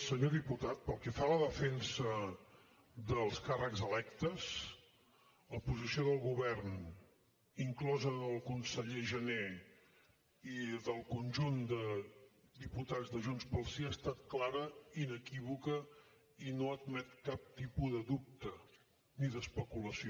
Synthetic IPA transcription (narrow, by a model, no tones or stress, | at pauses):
səɲoðiput̪at̪̚pəlˠkɛfaləðəfɛnsə | ðəlˠskarəkzəlɛkt̪əs | ləpuzisioðəlˠɣuβɛrn | iŋklɔzəəlˠkunsəʎeʒəne | iðəlˠkunʲʒund̪ə | d̪iput̪azðəʒunspəlˠsiast̪at̪̚klaɾəinəkiβukə | inoəd̪mɛt̪kap̚t̪ipuðəðup̚t̪ə | niðəspəkuləsio